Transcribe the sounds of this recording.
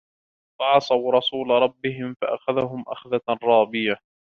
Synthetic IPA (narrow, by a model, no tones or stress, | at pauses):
fɑʕɑsˤɑwɾˤɑsuːlaɾˤɑbːɪɦɪmfaʔaxaðaɦʊmʔa̰xðarˤɑːbɪja